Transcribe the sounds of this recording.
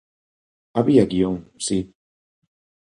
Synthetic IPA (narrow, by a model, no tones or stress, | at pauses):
aβiaɡioŋsi